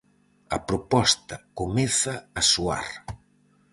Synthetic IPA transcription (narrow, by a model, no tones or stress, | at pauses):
ɐ̰pɾopɔst̪ɐkomɛθɐːsua̰ɾ